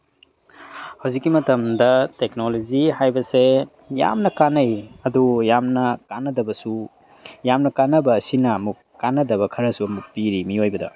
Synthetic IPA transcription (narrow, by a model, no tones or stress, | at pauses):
hɐwzikːimɐtɐmdɐtek̚nolozihajbɐse | ja̰mnɐkanɐjɐdujamnɐkanːɐdɐbɐsu | jamnɐkanːɐbɐːsinɐɐmuk | kːanːɐdɐβɐkʰɐɾɐsuɐmuk̚piɾimiojbɐdɐ̰